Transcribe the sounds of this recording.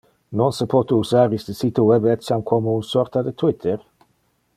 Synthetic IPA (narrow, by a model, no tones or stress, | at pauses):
nɔnsəpʰot̪uusaːɾisd̪əsit̪uwɛbɛt̪samkʰɔmounsɔʁt̪ad̪ət̪ʰwɪt̪ʰəʁ